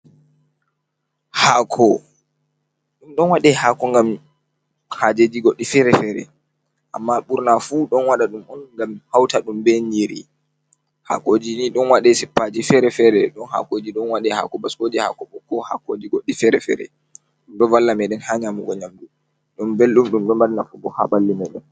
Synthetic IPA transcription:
haːkʰɔ | ɗumɗɔnwaɗɛhaːkɔŋɡam | had͡ʒed͡ʒiɡɔɗːifɛɾɛfɛɾɛ̰ | ʔa̰mːaɓuɾnafuːɗɔnwaɗaɗumɔnŋɡamhawtaɗumbɛɲd͡ʒiɾi | ha̰kod͡ʒiniɗɔnwaɗɛsipːad͡ʒifɛɾɛfɛɾɛɗɔnha̰kod͡ʒiɗɔnwaɗɛha̰kɔbaskod͡ʒiha̰kɔɓɔkːɔha̰kod͡ʒiɡɔɗːifɛɾɛfɛ̰ːɾɛ̰ | ɗumɗɔvalːamɛɗɛnhaɲamuɡɔɲamɗu | ɗumbelɗumɗumɗɔnbalnafɔbɔha̰ɓalːimɛɗɛn

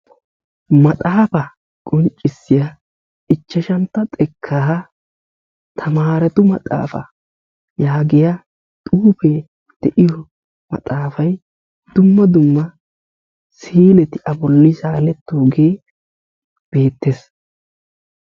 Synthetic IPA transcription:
mɐt̪ʼaːfɐ | kʼɔnt͡ʃʼːɪsːɪjɐ | ɪt͡ʃːɐʃɐnt̪ːɐt̪ʼɛkʰːaːɦɐ | t̪ʰɐmaːɾɛt̪ʊmɐ̰t̪ʼa̰ːfɐ̰ | jaːɡɪja | t̪ʼuːfe | d̪̥ɛʔɪjɔ | mɐ̰t̪ʼaːfɐj | d̪̥ʊmːɐd̪ʊmːɐ | siːlɛt̪ɪʔɐbɔlːɪʃaːlɛt̪ːoːɡeː | b̥e̞ːt̪ːes

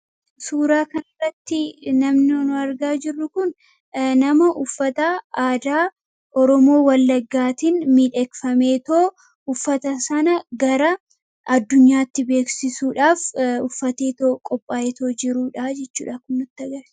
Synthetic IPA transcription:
suːɾaːkɐnɐrːɐt̪ːɪnɐmnɪnʊɐɾɡaːd͡ʒɪrːʊkʊn | nɐmɐʔʊfːɐt̪aaːd̪aː | ʔɔɾɔmo̞ːwɐlːɐɡːaːt̪inmiːᶑɛkfɐmeːt̪oː | ʊfːɐt̪ɐsɐnɐɡɐɾɐ | ʔɐd̪ːʊɲːaːt̪ːɪbe̞ːksɪsuːᶑaːfʊfːɐt̪e̞ːt̪oːkʼɔpʼːaːeːt̪oːd͡ʒɪɾuːᶑad͡ʒɛt͡ʃːṵːᶑɐkʊnːʊt̪ːɐɡɐɾ

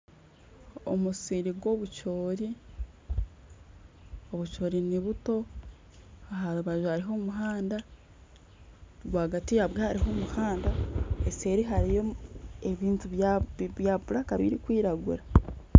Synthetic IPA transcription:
o̰musiɾiɡwo̞βut͡ʃo̞ːɾi | oβut͡ʃo̞ːɾiniβuto̞ | aɦaɾuβaʒuaɾiɦo̞ːmuɦaːnda | ɡwaːɡatijaβwehaɾiɦo̞muhaːndaese̞ɾiɦaɾijoeβiːntuββjaβuɾakaβḭɾikwiːɾaɡṵɾa

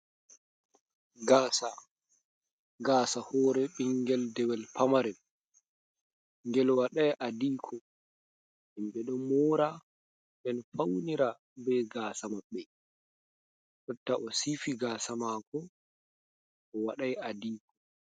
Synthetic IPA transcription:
ɡaːsa | ɡaːsahɔːɾɛɓiŋɡɛldɛwɛlpʰamaɾɛl | ŋɡɛlwaɗajʔadiːkʰɔ | ʔimɓɛɗɔmɔːɾa | ɓɛnfawniɾa | bɛɡaːsamaɓːɛ | ɗɔtːaʔɔsifiɡaːsamakɔ | ɔwaɗajadiːkʰɔ

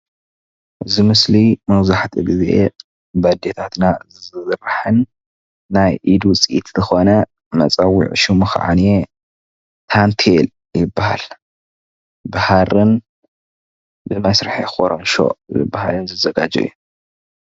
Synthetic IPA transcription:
ʔɨzimɨslimɐwzaħt̪ʰiɡɨzʔe | bɐd̪et̪ʰat̪nazɨrħɨnː | ajʔid̪wʊt͡sʼʔit̪zɨxo̞nɐ | mɐt͡sʼɐwḭʕ̰ʃumɨxʕa̰ne | t̪ʰant̪ʰel | jɪbːaha̰l | bahaɾɨn | bɨmajsɾħixoɾonʃo̞̰zɨ̰bːaha̰lɨnzɐzɐɡad͡ʒɐ̰ju

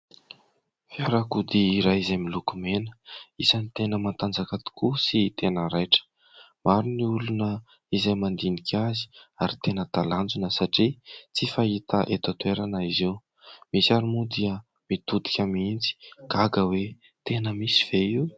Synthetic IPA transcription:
fiaɾakud̪iːɾajizamilukumenə̥izanit̪enəmant̪and͡zakat̪i̥kusit̪enəɾajʈ͡ʂə̥ | maɾiniulunə | izajmand̪inikʰʲazi̥aɾit̪enət̪aland͡zunəsaʈ͡ʂit͡sifaɦit̪aʔet̪at̪weɾanəiziw | misiaɾimud̪iə | mit̪ud̪i̥kʲamint͡si̥kaɡəwe | t̪enəmisi̥v̥eiw

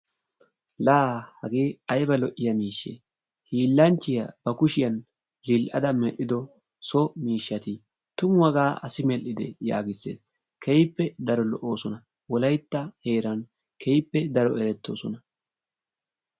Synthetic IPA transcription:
laːhɐɡeːɐjbɐlɔʔɪjɐmiːʃːḛː | hiːlːɐnt͡ʃːɪjɐb̥ɐkʊʃɪjɐn | lɪlʔɐd̪ɐmɛʔːɪd̪ɔ | sɔmiːʃːɐt̪ɪ | t̪ʊmwɐɡaːʔɐsɪmɛlːɪd̪ɛ̰ja̰ːɡɪsːḛːs | kʰɛjpːɛd̪ɐɾɔlɔ̰ʔoːsɔnɐ | wɔlɐjt̪ːɐhe̞ːɾɐn | kʰejpːɛd̪ɐɾɔɛɾɛt̪ːoːsɔnɐ

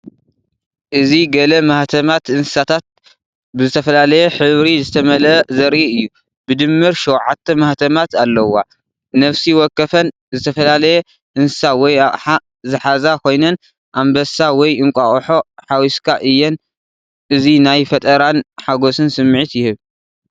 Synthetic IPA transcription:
ʔɨziɡɐlɐmaht̪ʰɐmat̪ʔɨnsɨ̥sat̪ʰat̪̚ | bɨzɨt̪ʰɐfɐlalɐjɛħɨβɾizɨt̪ʰɐmɐlɐzɐɾʔiɨjːu | bɨd̪ɨmːɨɾʃɛwʕat̪ʰːɐmɐht̪ʰɐmat̪alːɐwːa̰ | nɐfsiwɔkːɐfɐn | zɨt̪ʰɐfɐlalɐjɛ | ʔɨnsɨ̥sawɔjaħa | zɨħazakʰo̞jnɐn | ʔambɐsawɔjɨŋkʼaχʼħo̞ħawiskʰaʔɨjːɛn | ʔɨzinajfɐt̪ʼɐɾanħaɡo̞sɨnsɨmːʕit̪jɪhɨβ

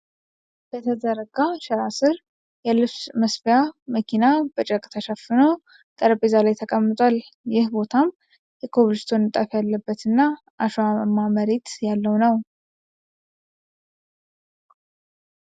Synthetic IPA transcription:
b̥ət̪ʰəd̪əɾəɡaʃɛɾasɨɾ | jɛlɨfsməsfijaməkʰinab̥ət͡ʃʼəkʼt̪ʰəʃafɨno | t̪ʼəɾbezalajt̪ʰəkʼəmːɨt̪ʼʷal | jɪhbo̞t̪ʰam | jɛkʰoβlɨst̪ʰo̞nːɨt̪ʼafjalːəbːət̪ɨnːa | ʔaʃamːaməɾet̪jalːəwnəw

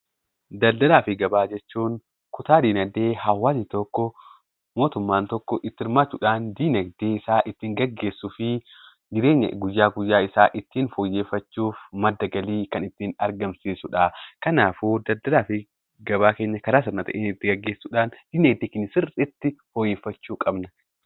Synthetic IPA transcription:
d̪ɐld̪ɐlaːfɪɡɐbaːd͡ʒɛt͡ʃːuːn | kʊt̪aːd̪iːnɐɡd̪e̞ːhɐwːaːsɪt̪ɔkːɔ | mo̞ːt̪ʊmːaːnt̪ɔkːɔʔɪt̪ːɪɾmaːt͡ʃːʊᶑaːnd̪iːnɐɡd̪eːɪsaːʔɪt̪ːiːŋɡɐɡːe̞ːsːʊfɪ | d͡ʒɪɾeːɲːɐ̰ɡʊjːaːɡʊjːaːɪsaːʔɪt̪ːiːnfɔjːe̞ːfːɐt͡ʃːuːfmɐd̪ːɐɡɐliːkɐnɪt̪ːiːnɐɾɡɐmsiːsʊᶑaːkɐnaːfuːd̪ɐd̪ːɐd̪aːfɪ | ɡɐbaːke̞ːɲːɐkɐɾaːs̬ɪɾnɐt̪ɐ̰ʔeːnɪt̪ːɪɡɐɡːe̞ːsːuːᶑaːnd̪̥iːnɐɡd̪eːkɪnsɪrɪt̪ːɪfɔjeːfːɐt͡ʃːuːkʼɐbnɐ

